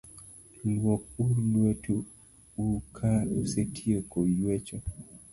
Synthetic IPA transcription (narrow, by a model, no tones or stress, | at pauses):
lwɔk̚ulwetu | ukʰausetʰiekojwet͡ʃɔ